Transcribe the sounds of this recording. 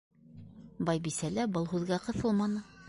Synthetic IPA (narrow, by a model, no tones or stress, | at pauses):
bɑjbisælæbɤlˠɦʉðɡæqɤ̆θɤlˠmɑnɤ